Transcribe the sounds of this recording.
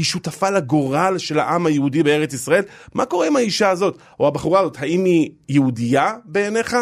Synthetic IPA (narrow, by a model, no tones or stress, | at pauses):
iʃutafalaɡo̞ʁalʃe̞lha̰ʔamhajeudibee̞ʁet͡sisʁae̞lmako̞ʁeimaiʃaːzo̞t | ohabeχuʁaazot̪haimijeudijabeːne̞χa